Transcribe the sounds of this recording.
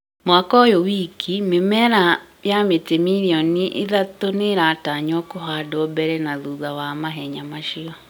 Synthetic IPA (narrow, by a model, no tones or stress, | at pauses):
mwakɔjowikʰimemɛɾa | jametemiɾiɔniʔḭðatoneɾataɲwɔkoɦadɔbɛɾɛnaðuɣawamaɦɛɲamaʃiɔ